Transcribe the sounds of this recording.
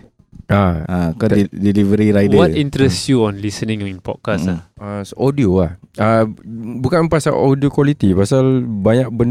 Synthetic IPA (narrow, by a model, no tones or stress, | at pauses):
ʔaakɔdilivəɾiɾajdəwɔtĩnt̪ɾɛsjuɔ̃nlisənĩŋjĩnpɔ̰t̚kasaasʔɔdioahabukanpasa̰lodiokwalit̪ipasalbaɲak̚bən